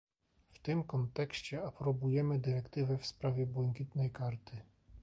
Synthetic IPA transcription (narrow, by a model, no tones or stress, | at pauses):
ft̪ɘmkɔnt̪ɛkɕt͡ɕɛapɾɔbujɛmɘd̪ɘɾɛkt̪ɘvɛfspɾavʲjɛbwɛŋkʲit̪nɛjkaɾt̪ʰɘ